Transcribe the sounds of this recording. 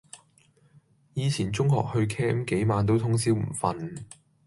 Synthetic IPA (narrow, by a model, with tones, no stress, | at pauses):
jiː˨˧t͡sʰiː˨˩nt͡sʊ˥ŋhɔ̰ː˨k̚hɵ˧ɥkʰɛː˥mke˨˥jmaː˨˧nt̪̬o˥wt̪ʰʊ˥ŋsiː˥wm̩˨˩fɐ˨˧n